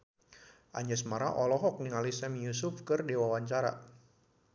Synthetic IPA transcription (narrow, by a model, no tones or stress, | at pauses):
ʔaɲɛsmaɾa̰ʔɔlɔɦɔk̚niŋalisɛmjusʊfkɨrdewawaɲt͡ʃaɾa̰